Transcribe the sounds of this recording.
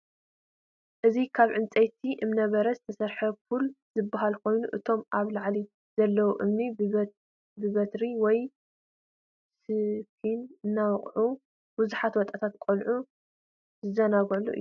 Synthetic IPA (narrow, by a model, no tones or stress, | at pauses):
ʔɨzikʰaβʕɨnt͡sʼejt̪ʰiʔɨmnɐβɐɾɐzɨt̪ʰɐsɐɾħɐful | zɨbːaɦalkʰo̞jnuʔɨt̪ʰo̞mʔaβlaʕli | z̥ɐlːɐwuʔɨmni | bɨβɐt̪ɾiwɔj | sɨkʰinɨnːawɔχʼʕu | buzuħat̪wɔt̪ʼat̪ʰat̪kʼolʕu | zɨzɐnaɡɐlːṵʔɨ̰jːu